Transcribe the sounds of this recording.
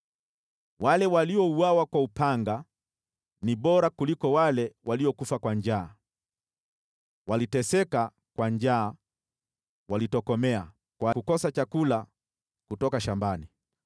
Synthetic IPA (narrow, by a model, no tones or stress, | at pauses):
walɛwaliɔuawakwaupaŋɡa | niɓɔɾakulikɔwalɛwʔaliɔkufakwaɲd͡ʒaː | walitɛsɛka | kwaɲd͡ʒaː | walitɔkɔmɛa | kwakukɔsat͡ʃakula | kutɔkaʃambani